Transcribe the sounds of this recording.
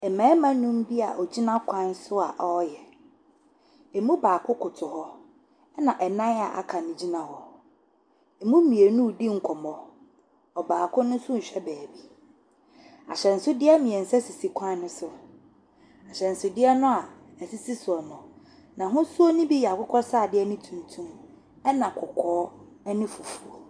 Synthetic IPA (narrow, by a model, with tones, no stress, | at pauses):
ɛ˨mã˨˦ɛ˦mã˦nũ˦m̩˦bi˦a˨ʔɔ˨d͡ʑi˦nã˦kʷʰã˦n˦sʊ˦a̰˨ʔɔ˦jɛ˨ | ɛ˨mũ˦baː˨kʰʊ˦kʰʊ˨tʰʊ˨hɔ˦ | nã˨ʔɛ˨nã˦a̰˨ʔa̰˨kʰã˨nɪ̃˨d͡ʑi˦nã˨hɔ˦ | e˨mũ˦mĩ˨e˨nũ˦˨di˦ŋ̩˨kʷʰɔ˨mɔ˨ | ɔ˨baː˨kʰʊ˦nʊ̃˦sʊ̃˦n̩˨ɕᶣɛ˦bɛː˨bi˦ | a̰˨ɕɛ˨n̩˨sʊ˦dɪ˦ɛ˦mĩ˨ɛ̃˨n̩˨sɛ˦si˨si˨kʰã˦nʊ̃˦sʊ˨ | a˨ɕɛ˨n̩˨sʊ˦dɪ˦ɛ˦nʊ̃˦a˨ɛ˨si˦si˦sʊ˨ɔ˨mɔ̃˨ | nã˨ɦʊ̃˦su˦o˦nĩ˦bi˦jɛ˨a˨kʰʊ˦kʰɔ˦saː˦˨dɪ˦ɛ˦nɪ̃˦tʰũ˨ntʰũ˦m | ɛ˦nã˨kʰʊ˨kʰɔː˦ | ɛ˦nɪ̃˦fu˨fu˨o˨